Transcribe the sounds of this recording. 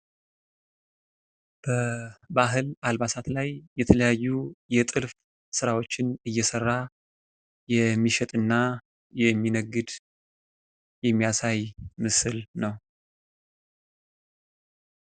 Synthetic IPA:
b̥əbaɦɨlʔalbasat̪lajːɛt̪ʰələjajːujɛt̪ʼɨlf | sɨɾawo̞t͡ʃːɪnɨjːɛsərːa | jɛmːiʃɛt̪ʼɨnːa | jɛmːinəɡːɨd̪ | jɛmːijasajmɨsɨlnəw

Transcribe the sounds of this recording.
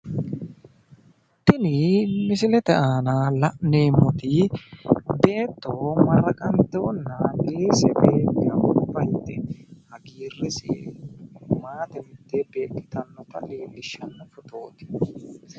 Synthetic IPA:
t̪ːɪnɪmɪsɪlɛt̪ɛaːnɐlɐʔneːmɔt̪ɪ | d̪e̞ːt̪ːoːmɐrːɐkʼɐnt̪onːɐɡeːsɛbeːkːɐʔʊbːɐjɪt̪ːɛhɐɡiːrːɪsɛ̰ | maːt̪ɛmɪt̪ːɛbe̞ːkːɪt̪ɐnːɔt̪ɐ̰liːlːɪʃɐnːɔfʊt̪o̞ːt̪ɪ̥

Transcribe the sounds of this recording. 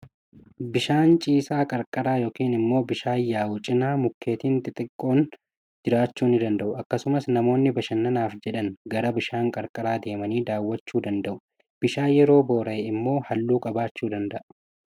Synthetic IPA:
bɪʃaːnt͡ʃʼiːsaːkʼɐɾkʼɐɾaːjo̞ːkiːnɪmːo̞ːbɪʃaːjːaːwʊt͡ʃʼɪnaːmʊkʰːe̞ːt̪iːnt̪ɪt̪ʼɪkʼːo̞ːn | d͡ʒɪɾaːt͡ʃːuːnɪd̪ɐnd̪ɐʔʊɐkːɐsʊmɐsnɐmo̞ːnːɪbɐʃɐnːɐnaːfd͡ʒɛᶑɐŋɡɐɾɐbɪʃaːŋkʼɐɾkʼɐɾaːd̪e̞ːmɐniːd̪aːwːɐt͡ʃːuːd̪ɐnd̪ɐʔʊ | b̥ɪʃaːjɛɾo̞ːbo̞ːɾɐɪmːo̞ːhɐlːuːkʼɐbaːt͡ʃːuːd̪ɐnd̪ɐʔɐ

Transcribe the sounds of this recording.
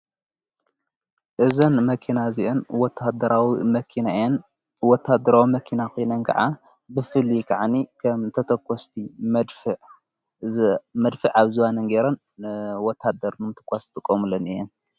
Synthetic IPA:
ʔɨzɐnmɐkʰinaziʔonwɔt̪ʰːad̪ɐɾawimɐkʰinan | wɔt̪ʰːad̪ɐɾawimɐkʰinakonɐnkʰɐ̰ʕa | bɨfɨlikʰaʕanikʰɐmt̪ʰɐt̪ʰɐkːɔst̪ʰimd̪fɨʕ | mɐd̪fɨʕaβzuwanɐnɡeɾɐn | wɔt̪ʰːad̪ɐɾmɨmɨt̪ʰɨ̥kʼast̪ʼɨkʼːomɨlɐnɨjɛn

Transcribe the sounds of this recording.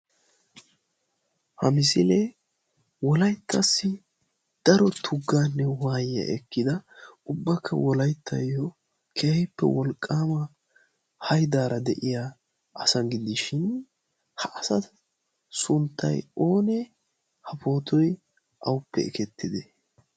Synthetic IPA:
hɐmɪsɪleː | wɔlɐjt̪ʰːɐsːɪ | d̪̥ɐɾɔt̪ʰʊɡːaːnːɛwaːjːɐ̰ʔɛkːɪd̪ɐʊbːɐkʰːɐ̰wɔlɐjt̪ʰːɐ̰jːɔ | kʰɛhɛpːɛ̰wɔlkʼːaːmɐ | hɐjd̪aːɾɐd̪ɛʔɪja | ʔɐsɐnɡɪd̪ɪʃɪn | hɐʔɐsɐt | sʊnt̪ːɐ̰jo̞ːnɛ | hɐpo̞ːt̪ʰɔj | ʔɐwʊpːɛ̰ɪ̰kɛt̪ːɪd̪ɛ

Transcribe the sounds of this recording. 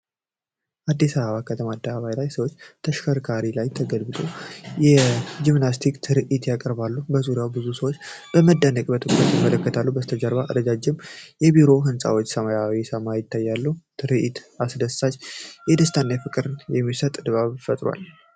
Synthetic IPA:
ʔad̪ːisaβəβakʰət̪ʰəmad̪ːaaβajlajsəwot͡ʃːt̪ʰəʃkʰəɾkʰaɾilajt̪ʰəɡəlbɨt̪ʰʼo̞jɛd͡ʒimnast̪ʰikt̪ʰɨɾɨʔit̪jakʼəɾbalːubəzuɾjawbɨzusəwot͡ʃːbəməd̪ːənəkʼbət̪ʰɨkʼɾət̪jɪmːələkːət̪ʰalːubəst̪ʰəd͡ʒəɾβaʔə̰d̪əd͡ʒad͡ʒːɪmjɛbiɾo̞ɦɨnsʼa̰wo̞t͡ʃːsəmajawisəmajjɪt̪ʰːajːalːut̪ʰɨɾɨʔit̪asd̪əssat͡ʃːjɛd̪əst̪ʰanːajfɨkʼɨɾɨnjɛmːisət̪ʼd̪ɨβaβfət̪ʼɾwa̰l

